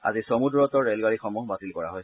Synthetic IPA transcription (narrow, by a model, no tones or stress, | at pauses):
a̰zisomudɹɔtɔɹelɡaɹixɔmɔɦbatilkɔɹa̰ɦɔj